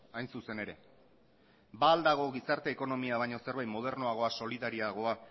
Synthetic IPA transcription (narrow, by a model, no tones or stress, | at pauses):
ajnsuse̞ne̞ɾe̞̰ | baːld̪aɣ̞o̞ɣisaɾt̪e̞ːko̞no̞miaβ̞ajɲo̞se̞ɾβajt̪mo̞ð̞e̞ɾnoaɣ̞o̞aso̞liðaɾiaɣ̞o̞a